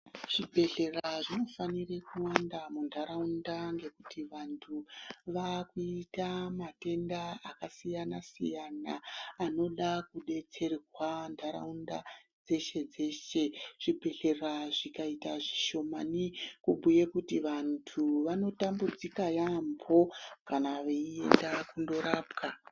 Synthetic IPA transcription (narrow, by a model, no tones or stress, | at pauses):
ʐ̥ibʱe̞ɮe̞raʐino̞fanirekuwandamundʱaɾaundaŋɡe̞kutiʋantʰuʋakuitamate̞ndaakasijanasḭjanaːno̞ɗakuɗe̞t͡se̞rirwandʱaɾa̰unda̰d͡ze̞ʃe̞d͡ze̞ːʃe̞ʐ̥ibʱe̞ɬe̞raʐikaitaʐiʃo̞manikubʱuje̞kutiʋantʰuʋano̞tambud͡zikajambʱo̞kanaʋeie̞̰ndakundo̞ɾaːpkʰa